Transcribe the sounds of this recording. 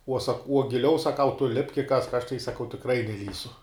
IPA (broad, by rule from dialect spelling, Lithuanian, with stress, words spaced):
uɔ sɐk uɔ ɡʲɪˈlʲɛʊ sɐˈkɐʊ tʊ lʲɪpk ɪ kɐsk ɐʃ tɐɪ sɐˈkɐʊ tʲɪkˈrɐɪ nʲɛˈlʲiːsʲʊ